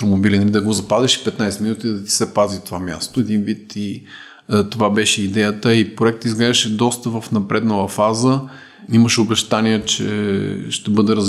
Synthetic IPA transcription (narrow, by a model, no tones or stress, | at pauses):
t̪ɾomobilinɐlid̪ɐɡozɐpazɛʃi̥pɛt̪najsɛminut̪id̪ɐt̪i̥sɛpazift̪ovamʲja̰st̪oɛd̪invit̪i | t̪ovabɛʃɛid̪ɛjət̪əipɾoɛk̚t̪izɡlɛzɛʃɛd̪ɔst̪əvɐfnɐpɾʔɛd̪nəlˠəfazə | iməʃobɛʃt̪aniɛt͡ʃɛ̰ʃt̪ɛbɤd̪ɛɾə